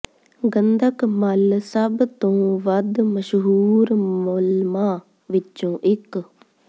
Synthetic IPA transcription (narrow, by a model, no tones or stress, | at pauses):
ɡənd̪əkməlsəbt̪õːʋəd̪məʃɦuːɾmʊlmaː | ʋɪt͡ʃõːʔɪk